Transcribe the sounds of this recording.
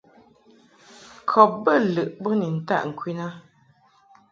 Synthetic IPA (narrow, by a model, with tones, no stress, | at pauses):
kʰɔ˨p̚bə˦˨lə˨ʔbə˦ni˨n̩˨ta̰˦ʔŋ̩˨kʰwi˦na˦